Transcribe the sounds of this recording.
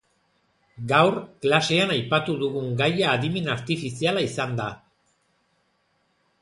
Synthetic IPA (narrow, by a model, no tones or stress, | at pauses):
ɡawrklase̞anajpat̪uðuɣuŋɡajaːðime̞naɾt̪ifisialaisand̪a